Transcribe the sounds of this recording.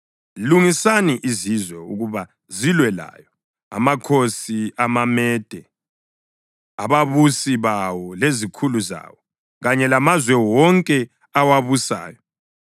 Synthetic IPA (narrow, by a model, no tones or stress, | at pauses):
luŋisaniʔizizwɛuɣuβa | zilwɛla̰ːjɔ | a̰makʰosiamamɛːd̥ʱɛ | aβaβusiβawɔlezikʰuluza̰ːwɔ | ɣaɲɛlamazwɛwɔŋkʼɛ | awaβusa̰ːjɔ